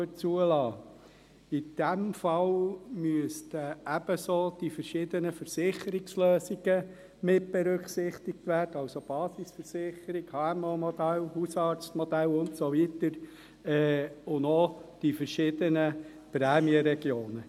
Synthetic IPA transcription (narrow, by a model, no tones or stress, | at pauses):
øt͡suəlɑː | id̪̥æmfɑlmyəstəæb̥əsoːd̥ifəɾʃɪd̪ənəfəɾsɪχəɾɪksløːsiɡə | mɪt̚b̥eɾʏksɪχt̪ɪk̚t̪ʋæːrd̥əɑʊsob̥ɑːsisfəɾsɪχəɾiɡhɑɛmomɔd̥̪ælhusɑːɾt͡st̪mɔd̥̪ælʊntsoʋit̪əɾ | ɛːʊndod̥ifəɾʃɪd̥̪ənə | pɾɛːmiəɾɛɡjoːnə